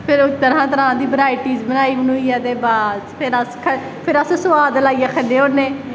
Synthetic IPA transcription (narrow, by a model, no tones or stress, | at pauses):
pʰɪɾt̪əɾãːt̪əɾãːd̪iːbəɾaːjiʈiːzbənaːiːmənuːiːɛːd̪eːbaːzpʰɪɾəskʰə | pʰɪɾəssʊʋaːd̪əlaːiːaːkʰəɖeːonẽː